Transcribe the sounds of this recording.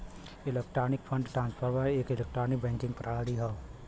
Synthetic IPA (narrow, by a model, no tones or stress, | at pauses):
ɪlekʈɾaːnɪkpʰə̃ɳɖʈɾãːnspʰəɾmaeːkɪlek̚ʈɾaːnɪk̚bɛ̃ːŋkɪ̃ŋɡpɾʔaːaɽiɦa